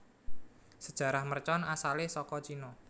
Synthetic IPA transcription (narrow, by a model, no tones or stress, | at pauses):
səd̥ʒ̥a̤ɾahmərt͡ʃɔnasalɪhsɔkɔt͡ʃinɔ